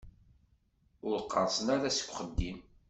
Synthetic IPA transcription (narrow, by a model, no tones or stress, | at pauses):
ʊɾqːɑɾsənæɾæsə̥kʷːχəd̪ːim